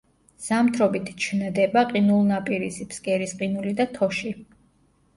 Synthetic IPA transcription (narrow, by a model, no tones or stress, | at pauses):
z̥amt̪ʰɾɔbit̪ʰt͡ʃʰnd̪ɛbaqʼinulˠnapʼiɾispskʼɛɾisqʼinulid̪at̪ʰɔʃi